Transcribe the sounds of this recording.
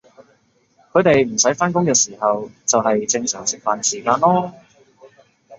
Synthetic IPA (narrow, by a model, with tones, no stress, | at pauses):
kʰɵ˨˧ɥt̪e˨jm̩˨˩sɐ˨˥jfaː˥nkʊ˥ŋkɛː˧siː˨˩hɐ˨wt͡sɐ˨wɦɐ˨jt͡sɪ˧ŋsœː˨˩ŋsɪ˨k̚faː˨nsiː˨˩kaː˧nlɔː˥